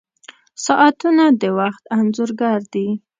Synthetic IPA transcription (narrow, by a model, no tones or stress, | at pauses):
sɑʔat̪unad̪əwaxt̪anzuɾɡaɾd̪i